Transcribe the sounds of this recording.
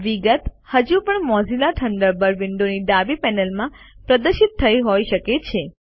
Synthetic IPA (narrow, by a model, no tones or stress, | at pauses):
ʋiɡət̪ | həd͡ʒupəɳmɔzilaʈʰəɳɖəɾbəɾʋɪɳɖoniɖabipɛnəlmã | pɾəd̪əɾʃit̪ʰːəiɦojʃəket͡ʃʰe